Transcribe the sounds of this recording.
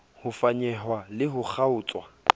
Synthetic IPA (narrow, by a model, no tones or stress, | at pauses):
hʊfaɲɛɦwalɪɦʊk͡xʰaʊːt͡sʼwa